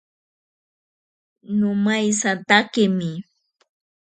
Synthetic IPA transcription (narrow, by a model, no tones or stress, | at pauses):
nʊmajsat̪akɪmɪ